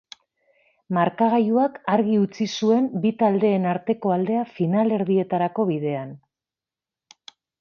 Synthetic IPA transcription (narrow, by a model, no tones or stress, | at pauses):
maɾkaɣajuakaɾɣiut͡sisue̞mbit̪ald̪e̞ːnaɾt̪e̞ko̞ald̪e̞afinale̞ɾðie̞t̪aɾako̞βiðe̞an